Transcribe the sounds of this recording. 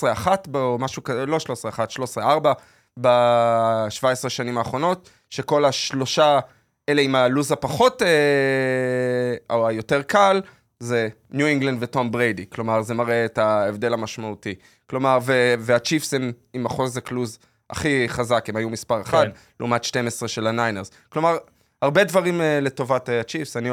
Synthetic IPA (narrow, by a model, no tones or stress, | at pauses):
sʁeaχatbomaʃukalo̞ʃlosʁeaχatʃlo̞sʁeaʁba | ba | ʃvaesʁeʃanimaːχʁo̞no̞t | ʃeko̞laʃlo̞ʃa | ʔele̞imaluzapaχo̞te | oajo̞te̞ʁkal | ze | njuiŋɡland̪veto̞mbʁejdiklo̞maʁzemaʁeːtaevde̞lamaʃmauti | klo̞maʁveveat͡ʃifsemimaχo̞zekluz | a̰χiχazakemajumispaʁeχad | leumatʃte̞mesʁeʃe̞lanajneʁz | klo̞maʁ | haʁbe̞dvaʁimle̞to̞vatt͡ʃifsani